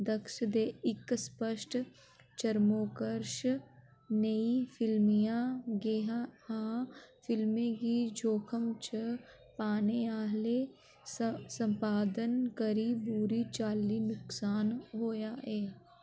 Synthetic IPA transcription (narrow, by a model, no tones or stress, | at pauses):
d̪əkʃd̪eːɪkspəʃʈ | t͡ʃəɾmoːkəɾʃ | nəifʰɪlmijãɡeɦahãːfɪlmẽkid͡ʒʱoːkʰəmt͡ʃə | paːneaːɦle | sə̃mpaːd̪ənkəɾibuːɾit͡ʃaːlinʊksaːnɦoːjaːɛː